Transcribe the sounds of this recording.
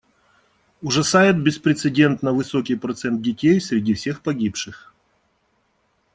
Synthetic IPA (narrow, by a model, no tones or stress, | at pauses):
ʊʐɐsajɪt̪̚bʲɪspɾʲɪt̪sɨdʲe̞nt̪nəvɨso̞kʲɪjpɾɐt̪sɛnt̪̚dʲɪtʲejsʲɾʲɪdʲifsʲe̞xpɐɡʲipʂɨx